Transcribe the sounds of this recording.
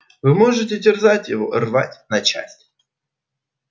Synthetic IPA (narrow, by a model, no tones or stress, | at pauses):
vɨmoʐɨtʲɪdʲɪrzatʲjɪvo̰rva̰tʲnɐt͡ɕa̰sʲtʲ